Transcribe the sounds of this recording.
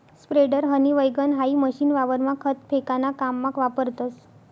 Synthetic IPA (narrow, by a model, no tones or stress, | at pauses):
spɾeɖəɾɦəniʋəjɡənɦaiməɕinʋaʋəɾmãkʰət̪pʰekanakamːãkʋapəɾt̪əs